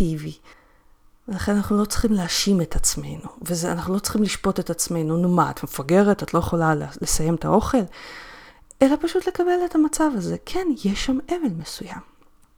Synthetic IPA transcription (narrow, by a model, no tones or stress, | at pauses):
ivi | velaχenanaχnulo̞t͡sχimleaʃime̞tat͡sme̞jnuvezea̰naχnulo̞t͡sχimliʃpo̞t̪e̞t̪at͡sme̞jnunumaa̰tmefaɡe̞ʁetatlo̞jeχo̞lalle̞saje̞mt̪a̰ʔo̞χe̞l | ʔe̞lapaʃut̪le̞kabe̞let̪amat͡savaze̞kʰenjeʃameve̞lme̞sujam